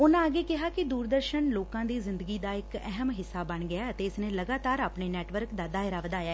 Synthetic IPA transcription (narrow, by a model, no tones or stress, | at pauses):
ʊnãaːɡeːkɪɦaːkɪd̪uːɾd̪əɾʃənloːkãːd̪iːzɪnd̪əɡiːd̪aːɪkɛ̰ɦəmɦɪsːaːbəɳɡɪaːət̪eːɪsneːləɡaːt̪aːɾaːpɳeːnɛːʈʋəɾkd̪aːd̪aːɪɾaːʋəd̪aːjaːɛ